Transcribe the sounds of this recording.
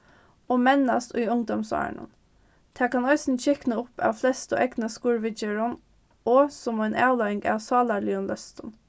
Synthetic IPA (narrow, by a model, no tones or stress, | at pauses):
oːmɛnɑst̪ʉːʊŋd̪ɔmsɑ̰ə̰ɳə̰n | t̪ʰæːkʰɑnœʏsn̩çɛknəʊpʰɑ̰ːʋflɛst̪o̰ʔɛɡnəskuːɹʋɪd͡ʒəɹən | oːsɔmenʔæːlɑɪŋɡɑ̰ːʋsɑːlɑɭiʊnlœst̪ən